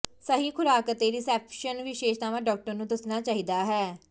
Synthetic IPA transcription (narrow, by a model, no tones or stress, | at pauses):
səɦiːkʰʊɾaːkət̪eːɾiːsɛːpʰʃənʋɪʃeːʃt̪aːʋãːɖɔːk̚ʈəɾnũːd̪əsnaːt͡ʃaːɦiːd̪aːɦɛː